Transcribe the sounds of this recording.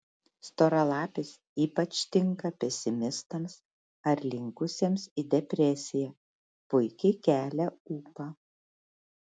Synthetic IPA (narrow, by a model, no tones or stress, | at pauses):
st̪oːɾɐlˠɑːpʲɪs | iːpɐt͡ʃʲt̪ʲɪŋˑkɐpʲɛsʲɪmʲɪst̪ɐms | ɐɾlʲɪŋkʊsʲeːmsid̪ʲɛpʲɾʲɛsʲɪjæː | pʊɪkʲɛɪkʲæːlʲɛuːpɑ